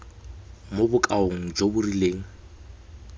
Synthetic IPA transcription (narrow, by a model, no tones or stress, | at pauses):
mobʊkʼaoŋ̩d͡ʒobʊrileːŋ̩